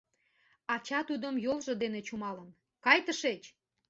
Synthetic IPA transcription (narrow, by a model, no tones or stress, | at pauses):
ɑt͡ɕɑt̪ud̪əmjolʒɤ̆d̪enet͡ɕumɑlən | kɑjt̪əʃet͡ɕ